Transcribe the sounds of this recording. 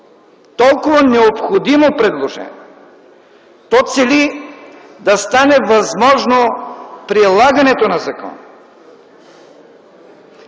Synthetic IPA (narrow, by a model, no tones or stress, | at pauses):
t̪ɔlˠkʊvɐnɛopxod̪imopɾɛd̪lˠoʒɛ̰nʲiɛ | t̪ɔt̪sɛli | d̪ɐst̪anɛvɐzmɔʒnopɾilˠaɡɐnɛt̪onɐzɐkɔ̰n